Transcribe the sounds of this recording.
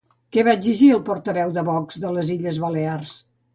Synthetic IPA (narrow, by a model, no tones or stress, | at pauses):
kɛβaziʒiəlˠpɔɾt̪əβɛwðəβɔkz̥ðələziʎəzβəlears